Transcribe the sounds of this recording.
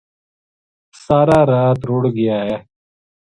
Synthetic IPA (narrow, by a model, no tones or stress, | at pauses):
saːɾaːɾaːt̪ɾoːɽɡɪjaːɦɛː